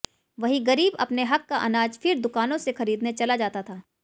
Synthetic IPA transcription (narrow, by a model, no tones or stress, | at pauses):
ʋɐɦiɡɐɾiːbɐ̰pneɦɐkːaʔɐnaːd͡ʒfɪɾd̪ʊkaːnõsexɐɾiːd̪net͡ʃɐlad͡ʒaːt̪at̪ʰaː